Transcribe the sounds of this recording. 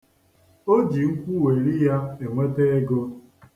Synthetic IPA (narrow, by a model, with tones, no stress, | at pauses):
o˦d͡ʒi˨ŋ̩˦kʷu˦we˨ɾi˦ja˦e˨ŋʷe˦te˦e˦ɡo˦